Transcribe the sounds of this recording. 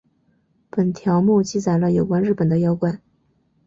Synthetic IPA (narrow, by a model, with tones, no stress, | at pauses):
pə˨˩nt̪ʰjɑ˧˥ʊmu˥˩t͡ɕi˥˩t͡sa˨˩ɪlə˦jo˨˩ʊkwa˥nɻ̩˥˩pə˨˩nd̪ə˦jɑ˥ʊkwa˨˩˦n